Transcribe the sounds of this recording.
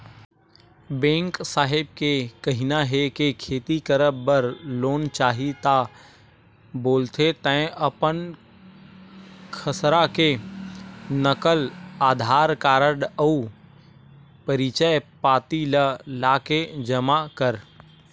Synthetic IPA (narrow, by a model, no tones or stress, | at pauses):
bẽːŋksaːɦɪb̚kekəɦinaɦekekʰeːt̪ikəɾəbːəɾloːnt͡ʃaːɦit̪a | boːlt̪ʰet̪ə̃ɪ̃ʔəpən | kʰəsɾake | nəkəlaːd̪ʱaːɾkaːɾəɽəu | pəɾit͡ʃəjpaːt̪iləlaːked͡ʒəmakəɾ